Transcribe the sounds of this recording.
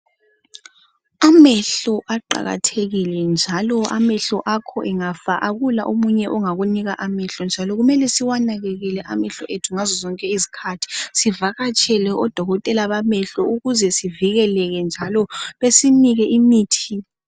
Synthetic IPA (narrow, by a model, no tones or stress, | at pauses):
amɛɬɔʔaǃa̰ɣa̰tʰeɣilɛnd͡ʒʱalɔa̰mɛɬɔʔakʰɔ̰ʔɛŋafaʔaɣulaʔomuɲɛʔɔŋaɣuniɣaʔamɛɬɔnd͡ʒʱalɔɣumɛlɛsiwanaɣɛɣɛlɛʔamɛɬɔʔetʰuŋazɔzɔŋkʼɛizi̥kʰatʰi̥sivaɣat͡ʃʼʰɛlɛʔɔd̥ʱɔɣɔtʼɛlaβamɛɬɔuɣuzɛsiviɣɛlɛɣɛnd͡ʒʱalɔβesiniɣɛʔimiːtʰi